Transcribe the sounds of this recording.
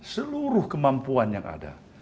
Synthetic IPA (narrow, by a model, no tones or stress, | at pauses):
səluɾʊhkəmampuanja̰ŋa̰da̰